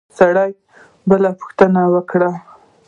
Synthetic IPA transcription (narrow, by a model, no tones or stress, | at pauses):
saɽaj | bəlapʊ̥xt̪ənawəkɽa